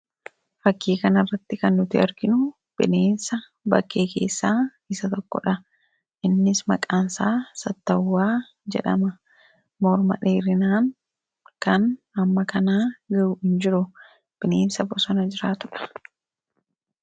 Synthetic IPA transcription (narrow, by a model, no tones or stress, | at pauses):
fɐkːiːkɐnɐrːɐt̪ːɪkɐnːʊt̪ɪɐɾɡɪnʊ | b̥ɪneːnsɐ | bɐkʰːe̞ːke̞̰ːsːaː | ɪsɐt̪ɔkːɔ̰ᶑɐ | ʔɪnːɪsmɐ̰kʼaːnsaːsɐt̪ːɐwːaː | d͡ʒɛ̰ᶑɐ̰mɐ | mɔɾmɐ̰ᶑeːɾɪnaːŋ | kɐn | ɐmːɐkɐnaːɡɐʊhɪnd͡ʒɪɾʊ | b̥ɪneːnsɐbɔsɔnɐd͡ʒɪɾaːt̪ʊᶑɐ̥